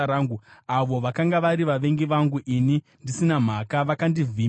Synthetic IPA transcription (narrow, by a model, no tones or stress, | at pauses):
ɾaːŋɡuaʋo̞ʋakaŋɡaʋaɾiʋaʋe̞ŋɡiʋaŋɡuʔini | ndisinam̤akaʋakandiviː